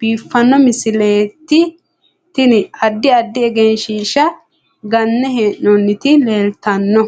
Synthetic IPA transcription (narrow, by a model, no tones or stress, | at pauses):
b̥iːfːɐnːɔmɪsɪleːt̪ːɪ | t̪ɪnɪɐd̪ːɪɐd̪ːɪɛɡɛnʃiːʃɐ | ɡɐnːɛɦeːʔɔnːɪt̪ɪleːlt̪ɐnːɔ